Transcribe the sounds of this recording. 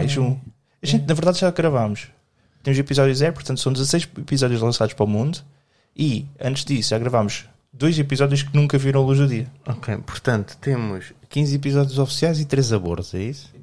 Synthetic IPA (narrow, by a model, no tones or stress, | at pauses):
iʃũ | ɐʒẽnt̪nɐvɨɾðaðʒakɣɾɐvamuʃ | t̪emuzipizɔðjuzɛɾupʊɾt̪ɐ̃nt̪sɐ̃w̃d̪zɐsɐjʃipizɔðjuʒlˠɐ̃saðuʃpɾɔmũnd̪u | iɐ̃nt̪ʒd̪isuʒaɣɾɐvamuʒ | d̪ojzipizɔðjuʃknũŋkɐviɾɐ̃lˠuʒðuðiɐɔkʰejpu̥ɾt̪ɐ̃nt̪u̥t̪emuʃkĩzipizɔðjuzɔfi̥siajzit̪ɾezɐβo̰ɾt̪uɛisu̥